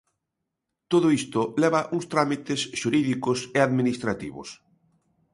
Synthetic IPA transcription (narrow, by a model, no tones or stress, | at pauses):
t̪oðʊist̪ʊlɛβaʔuŋst̪ɾamit̪esʃuɾiðikʊseaðminist̪ɾat̪ḭβʊ̰s